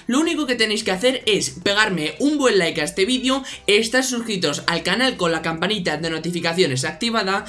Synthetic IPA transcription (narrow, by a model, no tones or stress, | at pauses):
louniko̞ke̞t̪e̞nejske̞aθe̞ɾe̞spe̞ɣ̞aɾme̞umbwe̞nlajkaest̪eβ̞iðjoeːst̪asuxɾit̪o̞salkanalko̞nlakampanit̪aðe̞no̞t̪ifikaθjo̞ne̞sak̚t̪iβ̞aða